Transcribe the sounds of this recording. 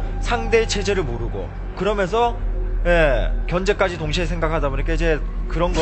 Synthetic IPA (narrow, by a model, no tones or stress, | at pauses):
sʰaŋde̞ːt͡ɕʰe̞d͡ʑe̞ɾɯɭmoɾuɡo̰ | kɯɾʌmjʌnsʰʌjekjʌnd͡ʑe̞k͈ad͡ʑitoŋɕʰiesʰeŋɡakʰadaboɲik͈ʰaid͡ʑe̞kɯɾʌnɡʌ